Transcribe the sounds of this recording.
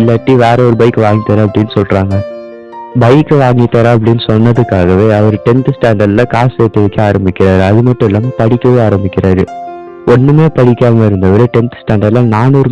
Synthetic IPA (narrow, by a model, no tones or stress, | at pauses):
lːɐʈːiʋeːɾɛɔɾɯbɐɪkːɯʋaːŋɡɪt̪ːɐɾaɐpːɐɽɪnːɯsɔlraːŋɡɐ | bɐɪkːɯʋaːŋɡɪt̪ːɐɾaːɐp̬ːɐɽɪnːɯsɔnːɐðɯkːaːɣɐʋeːɐʋɐɾɯʈɛnt̪ɯsʈaːɳɖɐɾlɐkaːseːt̪ːɐʋɐkːɯaːɾɐmbɪkʲːɪɾaːɾɯɐðɯmɐʈːɯ̃ɪlːaːmpɐɽɪkːɐʋoaːɾɐmbɪkʲːɪɾaːɾɯ | ɔnːɯmeːpɐɽɪkʲːaːmɐɪɾɯnd̪ɐʋɐɾɯʈɛnt̪sʈaːɳɖɐɾlɐnaːnuɾɯ